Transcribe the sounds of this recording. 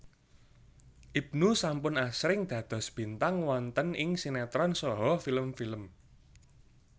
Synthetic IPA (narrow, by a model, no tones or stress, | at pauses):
ʔib̥̚nusampʊnasɾɪŋd̪̥ä̤d̪̥ɔ̤sb̥i̤nt̪aŋwɔnt̪ənɪŋsinɛt̪ɾɔnsɔɦɔfiləmfiləm